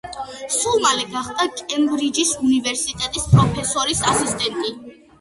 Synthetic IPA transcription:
sulˠmalɛɡaχd̪akʼɛmbɾid͡ʒisunivɛɾsit̪ʼɛt̪ʼispʼɾɔpʰɛsɔɾisasist̪ʼɛnt̪ʼi

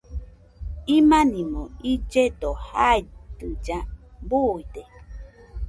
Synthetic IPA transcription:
imãnĩmõid͡ʒed̪ohajt̪ɨd͡ʒabuid̪e

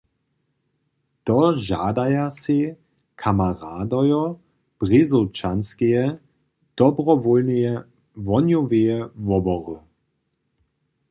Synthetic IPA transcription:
t̪ɔʒa̰ːdajasi | kʰamaʁaːdɔjɔ | pʁizut͡ʃanskejɛ | d̥ɔbʁɔvɔlnejɛ | vɔnjɔvejɛvɔbɔʁə

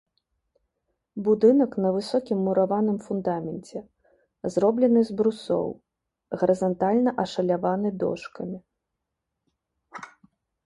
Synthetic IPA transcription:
bud̪ɨnɐkn̪ɐvɨsɔkʲimːuɾavanɨmfund̪amʲɛnt͡sʲɛ | zɾɔblʲɛnɨzbɾusɔ̰w | ɣɐɾɐzant̪alʲnɐʔɐʂɐlʲavanɨd̪ɔ̰ʂkɐmʲi

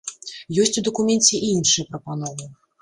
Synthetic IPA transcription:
jɔsʲt͡sʲud̪ɐkumʲɛnt͡sʲɛʔinʂɨjɐpɾɐpanɔvɨ

